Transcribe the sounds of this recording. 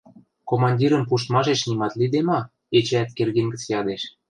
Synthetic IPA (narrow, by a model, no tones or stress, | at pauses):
komɑnʲdʲiɾə̆mpuʃt̪mɑʃeʃnimɑt̪lid̪emɑ | et͡ɕeæt̪kerɣeŋɡə̆t͡sjɑd̪eʃ